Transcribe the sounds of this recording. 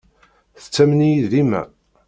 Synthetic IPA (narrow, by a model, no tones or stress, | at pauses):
θə̥t͡sːæmnijiðlimæ̰